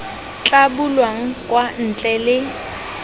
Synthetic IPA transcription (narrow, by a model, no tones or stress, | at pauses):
t͡ɬʼabulwaŋ̩kʼwan̩t͡ɬʼɛlɪ